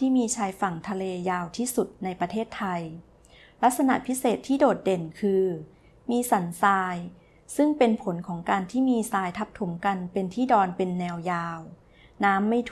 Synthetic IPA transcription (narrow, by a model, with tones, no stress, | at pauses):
t̪ʰiː˥˩miː˧t͡ɕʰaː˧jfa˨˩ŋt̪ʰa˧leː˧jaː˧wt̪ʰiː˥˩su˨˩t̪̚na˧jpɾa˧t̪ʰeː˥˩t̪ʰːa˧j | la˦˥t̪̚sa˧na̰˨˩ʔpʰi˦˥seː˨˩t̪ʰːiː˥˩doː˨˩t̪̚de˨˩nkʰɯː˧ | miː˧sa˩˦nsaː˧j | sɯ˥˩ŋpe˧npʰo˩˦nkʰɔː˩˦ŋkaː˧nt̪ʰiː˥˩miː˧saː˧jt̪ʰa˦˥p̚t̪ʰu˩˦mka˧npe˧nt̪ʰiː˥˩dɔː˧npe˧nːɛː˧wjaː˧w | naː˦˥mːa˥˩jt̪ʰ